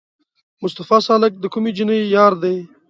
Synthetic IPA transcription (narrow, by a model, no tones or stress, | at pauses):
mʊst̪afɑsɑːlɪk̚d̪əkumid͡ʒinəjjɑːɾd̪aj